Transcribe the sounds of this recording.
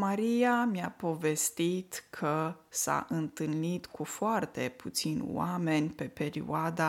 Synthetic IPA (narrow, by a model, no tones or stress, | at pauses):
maɾijamjapo̞ve̞st̪it̪kʰəsa̰ʔɨnt̪ɨlnit̪kʰufoart̪e̞pʰut̪sinʲwame̞nʲpe̞pe̞ɾḭoad̪a